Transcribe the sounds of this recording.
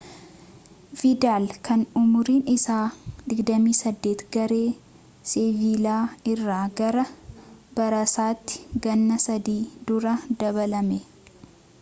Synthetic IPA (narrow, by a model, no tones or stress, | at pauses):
fɪd̪aːlkʰɐnʊmʊɾiːnɪsaːd̪ɪɡd̪ɐmiːsɐd̪ːeːt̪ɡɐɾe̞ː | sɪviːlaːɪrːaːɡɐɾɐbɐɾɐsaːt̪ːɪ̥ɡɐnːɐsɐd̪iːd̪ʊɾɐd̪ɐβɐlɐmɛ